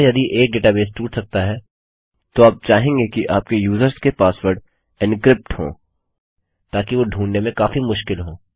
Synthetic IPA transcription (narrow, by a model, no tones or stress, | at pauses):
jɐd̪iʔeːk̚ɖeːʈabeːsʈuːʈsɐk̚t̪aɦɛː | t̪oaːp̚t͡ʃaːɦẽːŋɡekiʔaːp̚kejuːzəɾskepaːswəɾɖ | ɪnkɾɪp̚ʈhõ̰ː | t̪aːkiʋoɖʱũːnːemẽkaːfimʊʃkɪlɦõː